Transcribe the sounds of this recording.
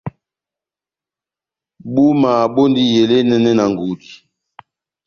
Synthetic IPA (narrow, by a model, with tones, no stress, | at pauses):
ɓu˦ma˨ɓo˦ndi˦je˨le˦nɛ˦nɛ˦na˨ŋ˨ɡu˨di˨